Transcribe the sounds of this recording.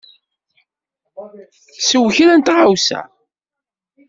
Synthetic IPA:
səwçɾænt̪ʁawsæ̰

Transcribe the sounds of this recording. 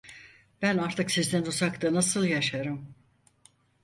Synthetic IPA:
b̥ænaɾt̪ʰɯksizd̪ænusakt̪anasɯlˠjaʃaɾɯm

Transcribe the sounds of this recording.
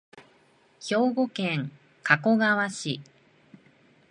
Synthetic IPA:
ço̞ːɡo̞kẽŋ | kako̞ɡaβaɕi

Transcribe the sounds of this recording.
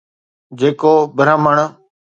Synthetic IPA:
d͡ʒeːkoːbəɾãːməɳ

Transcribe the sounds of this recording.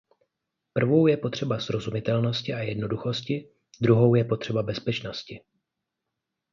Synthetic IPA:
pr̩vo̞wjɛpo̞t̪r̥ɛbasɾo̞zumɪt̪ɛlno̞scɪʔajɛdno̞duxo̞scɪ | d̪ɾuɦo̞wjɛpo̞t̪r̝̥ɛbabɛspɛt͡ʃnoscɪ

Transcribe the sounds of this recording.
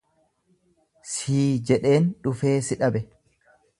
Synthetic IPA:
siːd͡ʒɛᶑeːnᶑʊfe̞ːsɪᶑɐbɛ

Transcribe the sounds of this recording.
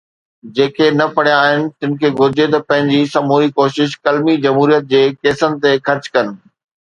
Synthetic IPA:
d͡ʑeːkʰenɐpɐɽ̤jaːɦɪnɪ̆t̪ɪnɪ̆kʰeːɡʱʊɾd͡ʑet̪ɐpɐ̃ɦɪ̃ɲd͡ʑisɐmoːɾikoːʃɪʃ̬kɐlmid͡ʑɐmɦuːɾijət̪̚d͡ʑeːkeːsənɪ̆t̪exɐɾt͡ɕkɐnɪ̆

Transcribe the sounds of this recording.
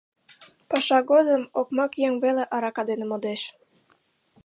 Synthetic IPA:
pɑʃɑɣod̪əmokmɑkjeŋveleʔɑɾɑkɑd̪enə̆mod̪eʃ

